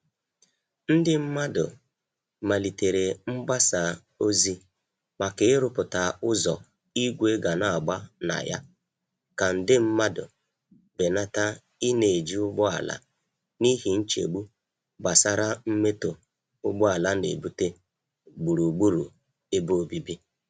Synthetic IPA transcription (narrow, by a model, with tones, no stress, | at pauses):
n̩˦dɪ˦m̩˦ma˦dʊ˨ | ma˨li˨te˨ɾe˨m̩˦ɡ͡ba˦sa˨ | o˦zi˦ | k͡pa˨kɪ˨ɪ˦ɾʊ˦pʊ˨ta˨ʊ˦zɔ̰˨ | i˦ɡʷe˦ɡa˨na˦˨ɡ͡ba˦na̰˨ja̰˦ | ka˨n̩˦dɪ˦m̩˦ma˦dʊ̰˨ | be˨na˦ta˦ | ɪ˦ne˨e˨d͡ʒi˦ʊ˦ɡ͡bʊ˦a̰˨la̰˦ | ni˦ɦi˨n̩˦t͡ʃḛ˨ɡ͡bu˦ | ɡ͡ba˨sa˦ɾa˦m̩˦me˦to˨ | ʊ˦ɡ͡bʊ˦a˨la˦nḛ˨bu˦te˦ | ɡ͡bu˨ɾu˨ɡ͡bu˦ɾṵ˨ | e˦bo˦o˨bi˦bi˦